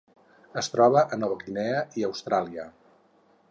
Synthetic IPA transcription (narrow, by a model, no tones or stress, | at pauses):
əst̪ɾɔβəʔənɔβəkinɛəiəwst̪ɾalˠiə